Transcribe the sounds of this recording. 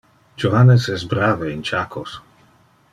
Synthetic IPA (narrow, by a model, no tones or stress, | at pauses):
d͡ʒovanesɛsbɾaːveint͡ʃakʰos